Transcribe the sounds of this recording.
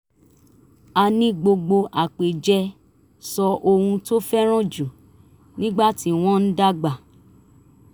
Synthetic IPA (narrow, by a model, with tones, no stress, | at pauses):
a˧nĩ˧ɡ͡bo˧ɡ͡bo˧ʔa˨k͡pe˨d͡ʒɛ˧ | sɔ˧ʔo˧hũ˧to˦fɛ˦ɾ̃ɔ̃˦˨d͡ʒu˨ | nĩ˦ɡ͡ba˦˨ti˦w̃ɔ̃˦n̩˦da˦ɡ͡ba˨